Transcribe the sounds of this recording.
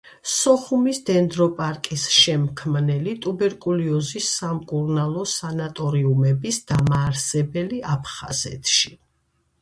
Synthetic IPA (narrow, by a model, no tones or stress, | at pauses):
sɔχumisd̪̥ɛnd̪ɾɔpʼaɾkʼisʃɛmkʰmnɛlit̪ʼubɛɾkʼuliɔzisːamkʼuɾnalˠɔsanat̪ʼɔɾiumɛbisd̪̥amaːɾsɛbɛliapʰχa̰z̥ɛ̰t̪ʰʼʃi